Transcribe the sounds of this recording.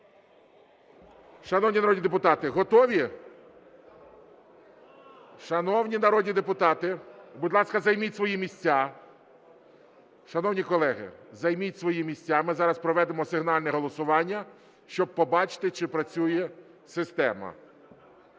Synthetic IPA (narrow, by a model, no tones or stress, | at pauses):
ʃɐnɔwnʲinɐɾɔdʲnʲid̪epʊt̪ɑt̪ɪɦɔt̪ɔʋʲi | ʃɐnɔwnʲinɐɾɔdʲnʲid̪epʊt̪ɑt̪ɪbʊd̪ʲlˠɑskɐzɐjmʲitʲsʋɔjimʲisʲt͡sʲːa | ʃɐnɔwnʲikɔlˠɛɦɪ̰zɐjmitʲsʋɔjimʲisʲt͡sʲːamɪzɑɾɐspɾɔʋɛd̪emɔsɪɦnɑlʲnɛɦɔlˠɔsʊʋɑnʲːɐ | ʃt͡ʃɔb̚pɔbɑt͡ʃɪ̥t̪ɪt͡ʃɪpɾɐt͡sʲujɛ | sɪst̪ɛmɐ̰